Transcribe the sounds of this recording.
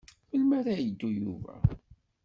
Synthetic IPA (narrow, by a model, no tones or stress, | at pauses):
fəlmaɾæjəd̪ːujuvæ̰